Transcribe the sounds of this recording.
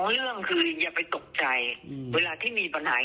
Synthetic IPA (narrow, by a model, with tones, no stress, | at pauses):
ŋɾɯ˥˩əŋkʰɯː˧jaː˨˩pa˧jt̪o˨˩k̚t͡ɕa˧jweː˧laː˧t̪ʰiː˥˩miː˧pa˧nhaː˩˦